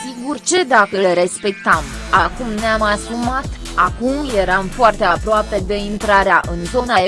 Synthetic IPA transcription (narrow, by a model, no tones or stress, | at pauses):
siɡurt͡ʃe̞d̪akəlɾe̞spe̞k̚t̪amakumneamasumat̪ | akumje̞ɾamfoart̪e̞apɾoape̞d̪e̞int̪ɾaɾeaʔɨnt̪o̞nae